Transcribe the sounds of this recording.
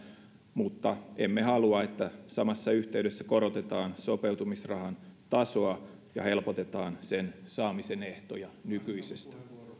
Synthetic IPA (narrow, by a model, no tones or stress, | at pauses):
mut̪ːɑʔemːehɑluɑet̪ːæsɑmɑsːɑyht̪e̞ydesːæko̞ɾot̪et̪ɑːnsope̞wt̪umisrɑhɑnt̪ɑsoɑ | jɑ̰he̞lpot̪e̞t̪ɑːnsensɑːmiseneht̪ojɑnykyisest̪æ̥